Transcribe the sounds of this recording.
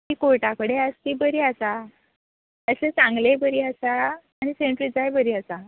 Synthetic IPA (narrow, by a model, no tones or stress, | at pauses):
t̪ikoɭʈakəɽeəst̪ibəɾiasa | əset͡sãŋɡlebəɾiːəsaː | ɽ̃iseɳʈɾid͡zajbəɾiːəsa